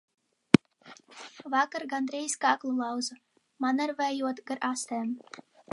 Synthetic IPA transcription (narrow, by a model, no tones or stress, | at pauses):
vɑkaɾɡand̪ɾʲijskɑːklˠulˠɑwzɨ | manaɾvɛjuɔt̪ɡaɾʔast̪æːm